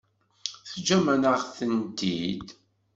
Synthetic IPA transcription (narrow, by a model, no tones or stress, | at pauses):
θd͡ʒæmænəʁθənt̪id̪